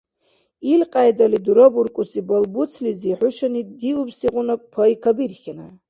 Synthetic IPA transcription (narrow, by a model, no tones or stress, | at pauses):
ilqʼajdaliduɾoburkʼusibalbut͡sʰliziħʊʃanidiubsiqʷʼʊnakʷʼpʰaikʰabirχʲana